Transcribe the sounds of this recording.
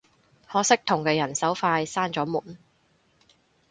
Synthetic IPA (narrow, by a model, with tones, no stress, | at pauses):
hɔː˨˥sɪ˥k̚t̪ʰʊ˨˩ŋkɛː˧jɐ˨˩nsɐ˨˥wfaː˧jsaː˥nt͡sɔː˨˥muː˨˩n